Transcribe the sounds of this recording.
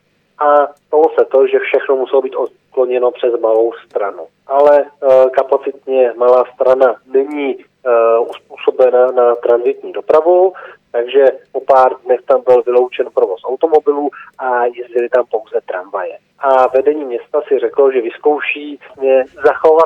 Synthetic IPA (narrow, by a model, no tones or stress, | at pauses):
ʔast̪alosɛt̪o̞ʒɛfʃɛxnomusɛlobiːt̪ot̪klo̞ɲɛno̞pr̥ɛzmalo̞wst̪ɾanu | ʔalɛkapat͡sɪt̪̚ɲɛmalaːst̪ɾananɛɲiː | usp̚uːso̞bɛnanat̪ɾanzɪt̪ɲiːdo̞pɾavut̪aɡʒɛpo̞paːɾdnɛxt̪ambɪlvɪlo̞wt͡ʃɛnpɾovo̞sʔawt̪o̞mo̞bɪluːʔajɛzɟɪlɪt̪ampo̞wzɛt̪ɾamvajɛ | ʔavɛdɛɲiːmɲɛst̪asɪrɛkloʒɛvɪsko̞wʃiːɲɛzaxo̞va